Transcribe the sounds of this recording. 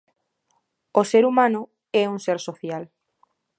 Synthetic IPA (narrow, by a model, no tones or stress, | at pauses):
oseɾumãnʊ | ɛuŋseɾsoθjal